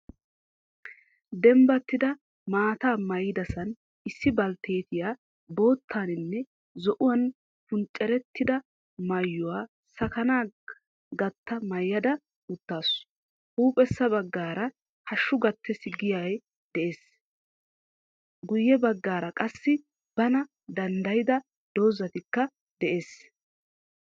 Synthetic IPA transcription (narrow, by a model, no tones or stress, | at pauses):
d̪ɛmbɐt̪ːɪd̪ɐ | maːt̪aːmɐjɪd̪ɐsɐn | ɪsːɪbɐlt̪ʰeːt̪ɪjaː | bo̞ːt̪ʰːaːnɪnːɛ | zɔʔʊwɐn | pʊnt͡ʃʼːɛɾɛt̪ːɪd̪ɐ | mɐjːʊwaː | sɐkɐnaː | ɡɐt̪ːɐmɐjːɐd̪ɐ | ʊt̪ːaːsʊ̥ | huːpʼɛsːɐbɐɡːaːɾɐ | hɐʃːʊɡɐt̪ːɛsɪɡɪjaj | d̪̥ɛʔeːs | ɡʊjːɛbɐɡːaːɾɐkʼɐsːɪ | b̥ɐnɐ | d̪ɐnd̪ɐjɪd̪ɐ | d̪̥o̞ːzɐt̪ɪkːɐ | d̪̥ɛʔeːs